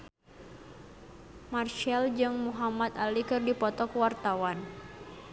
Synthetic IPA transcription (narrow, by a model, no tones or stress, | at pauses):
marʃald͡ʒɨŋmuɦamat̪alikɨrdipɔt̪ɔkwart̪awan